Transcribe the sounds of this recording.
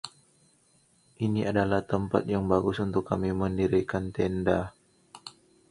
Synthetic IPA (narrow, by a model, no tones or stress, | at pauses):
ʔiniʔadalaht̪əmpa̰t̪̚jaŋbaɡʊsunt̪ʊkːamiməndiɾikant̪ɛnda